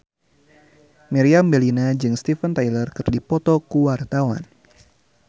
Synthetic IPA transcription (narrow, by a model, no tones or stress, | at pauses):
miɾiambɛlinad͡ʒɨŋst̪ifənt̪ajlərkɨrdipɔt̪ɔkuwart̪awa̰n